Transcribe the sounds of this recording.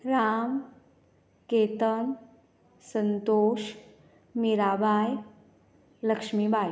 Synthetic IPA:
ɾam | ket̪ən | sənt̪oʃ | miɾabaj | ləkʂmibaj

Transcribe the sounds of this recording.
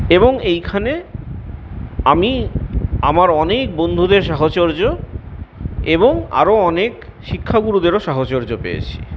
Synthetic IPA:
eboŋejkʰane | ami | amaɾɔnek̚bond̪ʱud̪eɾʃaɦot͡ɕoɾd͡ʑo | eboŋa̰ɾoɔnek | ʃikʰːaɡuɾud̪eɾoʃaɦot͡ɕoɾd͡ʑopḛjḛt͡ɕʰi̥̰

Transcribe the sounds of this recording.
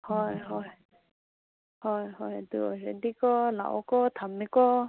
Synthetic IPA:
hɔjɦɔj | hɔjɦɔjd̪uɔ̰ɾɛd̪ikɔla̰ʔɔkɔt̪ʰamikɔ

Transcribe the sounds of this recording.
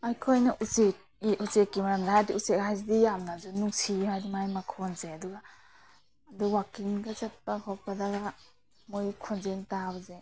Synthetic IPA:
ajkʰojnaʔusek̚ | usekːimaɾamdaɦajdiusekhajzidijamnazunuŋsʰimajdimajmakʰonzeaduɡaː | duwakiŋɡazat̚pakʰɔpːadaɡa | mojkʰonzentawze

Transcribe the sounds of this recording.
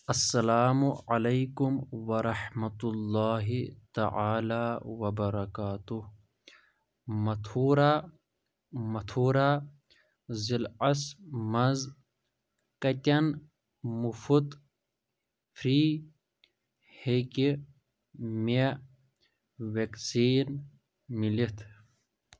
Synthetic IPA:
ɐsːɐlaːmuʕalɐjkumwɐɾˤɐħmɐt̪ulːaːɦit̪ɐ̰ʕaːlaːwɐbɐɾɐkaːt̪uh | mɐt̪ʰuːɾa | mɐt̪ʰuːɾaː | zilɐsmɐz | kɐt̪ʲɐn | mufut̪ | fʰɾiː | heki | me | weksiːn | milit̪ʰ

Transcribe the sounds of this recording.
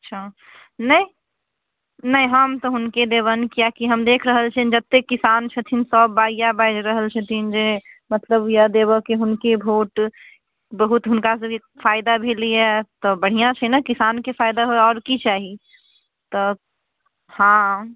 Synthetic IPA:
ɐtːʃʰa | nəĩ | nəĩɦəmt̪ɔɦʊnked̪eːbənkijakiɦəmd̪eːkʰɾəɦəlt͡ʃʰənd͡ʒət̪ːekːɪsaːnt͡ʃʰət̪ʰinsɔːbːaːijabaɪd͡ʒɾəɦəlt͡ʃʰət̪ʰind͡ʒemət̪ləbjəd̪ebəkiɦʊnkebʱoːʈ | bəɦut̪ɦʊnkase | faːɪd̪abʱeliɦɛt̪ɔbəɽ̤ijãt͡ʃʰənakɪsaːnkefaːɪd̪aɦoeɔːɾkit͡ʃaːɦi | t̪ɔ | hã

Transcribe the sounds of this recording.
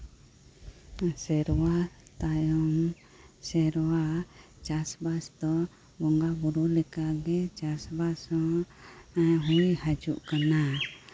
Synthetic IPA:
sɛɾwat̪ajɔŋ | sɛɾwa | t͡ʃasbast̪ɔ | bɔŋɡabuɾulɛkaɡɛt͡ʃasbasɔ | ɦuihad͡ʒuʔkana

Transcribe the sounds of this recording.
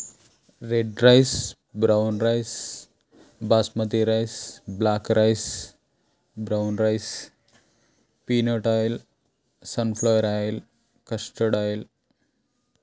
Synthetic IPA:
ɾeɖɾajs | bɾawnɾajs | basmət̪iɾajsblakɾʔajs | bɾawnɾajs | pinəʈajl | sənflajəɾael | kəsʈəɽael

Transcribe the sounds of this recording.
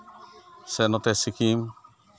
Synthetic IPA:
sɛnɔt̪ɛsikim

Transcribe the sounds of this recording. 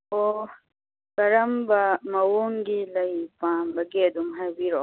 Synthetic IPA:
o | kɐɾɐmbɐmɐwoːŋɡilɐipãːmbɐɡeːd̪umɦɐbiɾo

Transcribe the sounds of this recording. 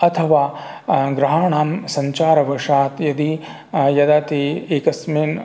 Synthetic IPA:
ɐt̪ʰɐʋaːɡɾɐɦaːɳaːmsɐɲt͡ʃaːɾɐʋɐʂaːt̪jɐd̪i | jɐd̪aːt̪ieːkɐsmeːn

